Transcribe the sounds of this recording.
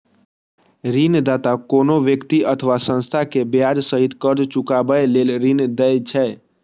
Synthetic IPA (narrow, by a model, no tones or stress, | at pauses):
ɾind̪at̪akonoʋjəkt̪iʔət̪ʰəʋasə̃nst̪ʰakebjad͡ʒsəɦit̪kəɾd͡ʒt͡ʃukabəjlelɾind̪ɛt͡ʃʰɛ